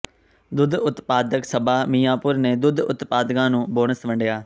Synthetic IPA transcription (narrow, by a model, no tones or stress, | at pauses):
d̪ʊd̪ʊt̪paːd̪əksəbaːmiːãːpʊɾneːd̪ʊd̪ʊ̰t̪paːd̪kãːnũːboːɳəsʋəɳɖjaː